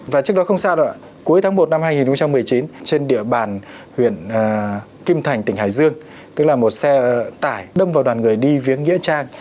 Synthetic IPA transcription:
vaː˨˩t͡ɕɨ˦˥ək̚ɗɔ˨˦xə˧wŋ͡msaː˧ɗɔ̰˧˨ | ku˨˦əjt̪ʰaː˨˦ŋmo˨˩t̚na˧mhaː˧jŋi˨˩nxə˧ŋ͡mt͡ɕa˧mːɨ˨˩əjt͡ɕi˨˦nt͡ɕe˧nɗḭ˧˨əɓaː˨˩n | hwḭ˧˨ənː˨˩ | ki˧mt̪ʰa˨˩jŋ̟t̪ï˧˩haː˧˨˩jzɨ˧əŋ | t̪ɨ˦˥k̚laː˨˩mo˨˩t̚sɛ˧t̪aː˧˩jɗə˧mvaː˨˩wɗwaː˨˩nŋɨ˨˩əjɗi˧vi˨˦ənŋḭ˧˥ət͡ɕaː˧ŋ

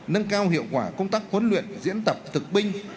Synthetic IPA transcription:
nə˧ŋkaː˧whḭ˧˨əwkwaː˧˩kə˧wŋ͡mt̪aː˦˥k̚hwə˨˦nlwḭ˧˨ənzḭ˧˥ənt̪ə˨˩p̚t̪ʰɨ˨˩k̚ɓï˧ŋ̟

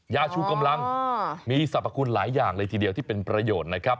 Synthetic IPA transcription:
jaː˧˩t͡ɕʰuː˧˥˩ka˧mla˧ŋmiː˧sa˨˩p̚ːa˧kʰu˧nlaː˩˦jːaː˨˩ŋlɤː˧t̪ʰiː˧di˧wt̪ʰiː˥˩pe˧npɾa˧joː˨˩t̪̚na˦˥kʰɾa˦˥p̚

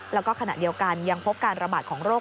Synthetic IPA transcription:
lɛ˦˥wkɔː˥˩kʰa˧na̰˨˩ʔdi˧əwka˧nja˧ŋpʰo˦˥p̚kaː˧nɾa˧baː˨˩t̪̚kʰɔː˩˦ŋɾoː˥˩

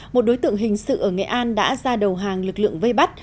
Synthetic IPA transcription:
mo˨˩t̚ɗo˨˦jt̪ɨ̰˧˨əŋɦï˨˩ŋ̟sɨ̰˧˨ʔəː˧˩ŋḛ˨˧˨ʔaː˧nɗa̰ː˧˥zaː˧ɗə˨˩wɦaː˨˩ŋlɨ˨˩k̚lɨ̰˧˨əŋve˧jɓa˦˥t̚

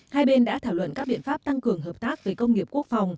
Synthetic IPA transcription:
haː˧jɓe˧nɗa̰ː˧˥t̪ʰaː˧˩wlwə̰˧˨nkaː˦˥k̚ɓḭ˧˨nfaː˦˥p̚t̪a˧ŋkɨ˨˩əŋɦəː˨˩p̚t̪aː˦˥k̚ve˨˩kə˧wŋ͡mŋi˨˩əp̚ku˦˥ək̚fa˨˩wŋ͡m

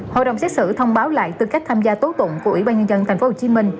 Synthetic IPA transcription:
ho̰˧˨ɗə̰˨˧˨ŋ͡msɛ˦˥t̚sɨ̰˧˩t̪ʰə˧wŋ͡mɓaː˨˦wla̰ː˧˨jt̪ɨ˨˧˩ka˦˥k̟̚t̪ʰaː˧mzaː˧t̪o˨˦t̪ʊ̰˧˨ŋ͡mku˧˩ʔwi˧˩ɓaː˧nɲə˧nzə˧nt̪ʰj̟o˨˦ho˨˩t͡ɕi˨˦mï˧ŋ̟

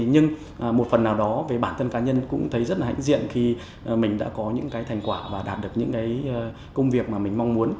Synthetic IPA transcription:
ɲɨ˧ŋ | ʔmo˨˩t̚fə˨˩nːaː˨˩wɗɔ˨˦ve˨˩ɓaː˧˩nt̪ʰə˧nkaː˨˦ɲə˧nkʊ̰˧˥ŋ͡mt̪ʰə˨˦jzə˦˥t̚laː˨˩a̰˧˥ŋzḭ˧˨ənxi˧˩ | mï˨˩ŋ̟ɗa̰ː˧˥kɔ˨˦ɲɨ̰˧˥ŋkaː˨˦jt̪ʰa˨˩jŋ̟kwaː˧˩vaː˨˩ɗaː˨˩t̚ɗɨ˨˩ək̚ɲɨ̰˧˥kaː˨˦j | kə˧wŋ͡mvi˨˩ək̚maː˨˩mï˨˩ŋ̟ma˧wŋ͡mmu˨˦ən

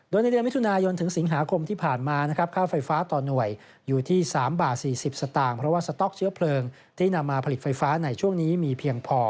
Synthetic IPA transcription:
doː˧jna˧jdi˧nmi˦˥t̪ʰu˧naː˧jo˧nt̪ʰɯ˩˦ŋsi˩˦ŋɦaː˩˦kʰo˧mt̪ʰiː˥˩pʰaː˨˩nmaː˧na˦˥kʰɾa˦˥p̚kʰaː˥˩wfa˧jfaː˦˥t̪ɔː˨˩nu˨˩əj | juː˨˩t̪ʰiː˥˩saː˩˦mbaː˨˩t̪̚siː˨˩si˨˩p̚sa˧t̪aː˨˩ŋpʰɾɔ˦˥waː˥˩sa˧t̪ɔ˦˥k̚t͡ɕʰɯ˦˥ɐpʰlɤː˧ŋ | t̪ʰiː˥˩na˧mːaː˧pʰa˧li˨˩t̪̚fa˧jfaː˦˥na˧jt͡ɕʰu˥˩əŋniː˦˥miː˧pʰiː˧əŋpʰɔː˧

